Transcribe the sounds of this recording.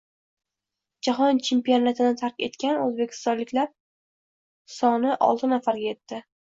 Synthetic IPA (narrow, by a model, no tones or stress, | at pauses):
d͡ʒaɦɒnt͡ʃʰe̞mpijo̞nat̪ʰɪd̪at̪ʰaɾkʲe̞t̪kʲanɵzbekʲʰɪ̥st̪ɒnlɪkʲlaɾ̚ | sɒnɪʔɒ̰lˠt̪ʰɪnafaɾɡʲaje̞t̪ːɪ